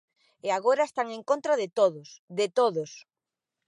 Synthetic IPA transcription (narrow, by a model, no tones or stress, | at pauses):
eaɣoɾaest̪aŋẽŋkont̪ɾaðɪt̪oðʊsðet̪oðʊs